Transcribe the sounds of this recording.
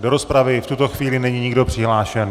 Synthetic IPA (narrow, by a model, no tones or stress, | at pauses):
do̞ɾo̞spɾavɪft̪ut̪o̞xviːlɪnɛɲiɲɪɡdo̞pr̥ɪɦlaːʃɛn